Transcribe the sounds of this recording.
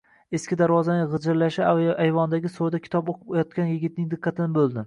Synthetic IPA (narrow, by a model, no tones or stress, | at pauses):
e̞skʲɪd̪aɾvɒzanɪʁɨd͡ʒɪɾlaʃɪajvɒnd̪aɡʲɪsod̪akʲʰɪ̥t̪ʰɒpoqʰpjɒt̪̚kʲanjɪɡʲɪt̪̚nɪŋd̪ɪqʰːɑt̪ʰɪnɪbolˠd̪ɪ